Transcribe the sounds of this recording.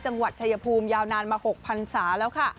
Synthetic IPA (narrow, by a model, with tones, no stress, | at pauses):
t͡ɕa˧ŋwa˨˩t̪̚ʰa˧ja˧pʰuː˧mjaː˧wnaː˧nmaː˧ho˨˩k̚pʰa˧nsaː˩˦lɛː˦˥wkʰa˥˩